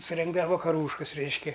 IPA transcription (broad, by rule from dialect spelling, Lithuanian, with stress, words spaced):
sʊˈrʲɛŋɡdɐʋɐ ʋɐkɐˈruːʃkɐs ˈrʲɛɪʃʲkʲɛ